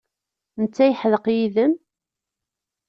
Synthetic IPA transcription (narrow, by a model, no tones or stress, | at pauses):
nət͡sːæjəħðəqjiðəm